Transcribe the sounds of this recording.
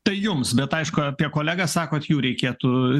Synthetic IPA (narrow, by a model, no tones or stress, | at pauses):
t̪ɐɪjʊmsbʲɛt̪ɐɪʃkʊɐpʲiɛkoːlʲæːɡɐsɑːkoːt̪juːɾʲɛɪkʲeːt̪ʊ